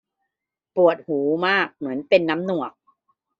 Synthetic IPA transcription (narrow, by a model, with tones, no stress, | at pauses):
pu˨˩ət̪̚huː˩˦maː˥˩k̚mɯ˩˦ənpe˧nːa˦˥mnu˨˩ək̚